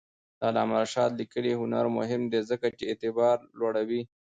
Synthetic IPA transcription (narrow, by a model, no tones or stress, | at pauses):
d̪əːlɑmaɾaʃɑt̪likəliɦʊnaɾmʊ̰ɦɪmd̪ezəkat͡ʃeet̪ɪbɑɾlwaɽawi